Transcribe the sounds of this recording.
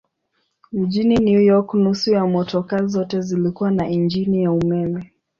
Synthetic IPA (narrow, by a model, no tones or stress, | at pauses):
m̩ʄininjujɔknusujamɔtɔkazɔtɛzilikuwanaʔind͡ʒinijaumɛmɛ